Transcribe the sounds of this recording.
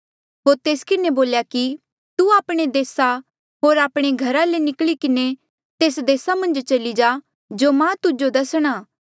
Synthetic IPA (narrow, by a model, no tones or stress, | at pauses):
ɦoːɾt̪eːskɪneboːljaki | t̪uaːpɽ̃ed̪eːsa | ɦoːɾaːpɽ̃eɡʱɐɾalenɪklikɪne | t̪eːsd̪eːsamɐ̃nd͡ʒt͡ʃɐlid͡ʒaː | d͡ʒomãt̪ʊd͡ʒod̪ɐsɽ̃aː